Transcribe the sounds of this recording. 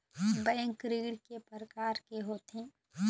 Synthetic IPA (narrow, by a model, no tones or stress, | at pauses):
bɛ̃ːŋkɾɪɡɽkepəɾəkaːɾkeɦoːt̪ʰẽː